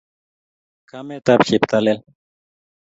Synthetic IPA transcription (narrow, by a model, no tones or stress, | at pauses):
kɐmet̪ɐpɕipt̪ɐlel